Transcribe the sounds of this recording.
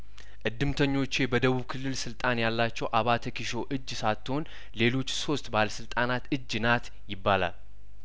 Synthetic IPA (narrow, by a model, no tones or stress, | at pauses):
ʔɨd̪ːɨmt̪ʰəɲːo̞t͡ʃːebəd̪əβuβkʰɨlːɨlsɨlt̪ʼanjalːat͡ʃːɛwʔaβat̪ʰəkʰiʃo̞ʔɨd͡ʒːsat̪ʰːo̞n | le̞lo̞t͡ʃːso̞st̪ʼbaləsɨlt̪ʼanat̪ɨd͡ʒːnat̪ | jɪbːala̰l